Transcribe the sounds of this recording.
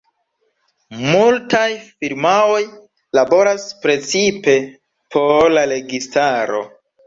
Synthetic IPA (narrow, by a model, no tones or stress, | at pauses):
multajfiɾmao̞j | labo̞ɾaspɾe̞t͡sipe̞ | pʰo̞ɾlaɾe̞ɡistaɾo̞̰